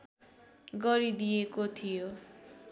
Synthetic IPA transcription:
ɡʌɾid̪ijekot̪ʰijo

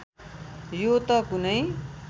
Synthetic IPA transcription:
jot̪ʌkunʌj

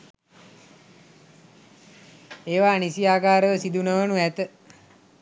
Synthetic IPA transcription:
eːʋaːnisiaːkaːɾəʋəsid̪unəʋənuæt̪ə

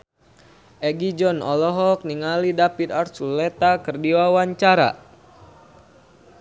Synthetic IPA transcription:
ʔɛɡid͡ʒɔnɔ̰lɔɦɔk̚niŋalidapit̪arsulɛt̪akɨrdiwawaɲt͡ʃaɾa̰

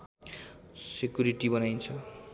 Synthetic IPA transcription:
sekjuɾiʈibʌnajnt͡sʰʌ

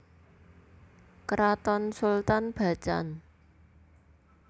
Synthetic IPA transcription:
kɾat̪ɔnsult̪anb̥a̤̥t͡ʃa̰n

